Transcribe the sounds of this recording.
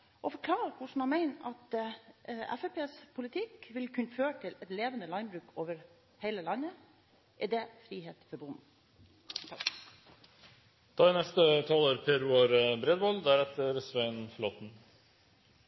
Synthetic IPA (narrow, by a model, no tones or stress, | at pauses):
ʔɔfɔɾkʰlɑːɾəkʰʊʂn̩mɑmæɪnɑt̪ | æ̰fɛpʰeːspʰʊlɪt̪ʰɪkʋɪlkʰʉnføːəʈʰɪlɛt̪leːʋənəlɑɪnbɾʉːkʰoːʋəɾ | heɪləlɑnːə | ʔæɖɛfɾiːheːt̪fɔɾbʊn | d̪̥ɑːɛnɛst̪ət̪ʰɑːləɾpʰeːɾʉɑɾbɾɛd̪ʋɔld̪æɾɛt̪əɾsʋæɪnflɔt̪n̩